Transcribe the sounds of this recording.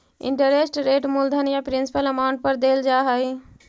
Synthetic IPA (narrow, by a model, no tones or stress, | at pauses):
ɪ̰ɳʈəɾesʈɾeːʈmuld̪ʱənjapɾɪnsi̥pələmaʊɳʈ̚pəɾd̪eld͡ʒaːɦəi